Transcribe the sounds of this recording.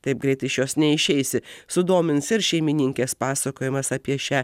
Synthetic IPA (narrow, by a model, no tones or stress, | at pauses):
t̪ɐɪp̚ɡɾʲɛɪt̪ɐɪʃjoːsnʲɛɪʃʲɛɪsʲɪsʊd̪oːmʲɪnsɪɾʃʲɛɪmʲɪnʲɪŋʲkʲeːspɑːsɐkoːjɪmɐsɑːpʲiɛʃʲæː